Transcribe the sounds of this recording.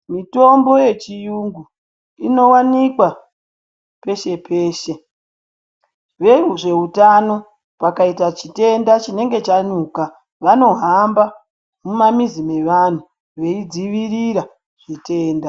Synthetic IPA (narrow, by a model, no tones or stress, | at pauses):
mito̞mbo̞je̞t͡ʃijuŋɡu | ino̞wanikwa | pe̞ʃe̞pʰeːʃe̞ | ʋe̞uʐe̞utano̞ | pakaitat͡ʃite̞ndat͡ʃine̞ŋɡe̞t͡ʃaɲuka | ʋano̞ɦamba | mumamizime̞ʋan̤u | ʋe̞id͡ziʋiɾiɾa | ʐ̥ite̞ːnda